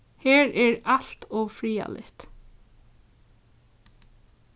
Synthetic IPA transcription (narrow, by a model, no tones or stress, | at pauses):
heːɹʔɛːɹɑɬt̪ɔːfɹiːɑ̰lʔɪ̰ht̪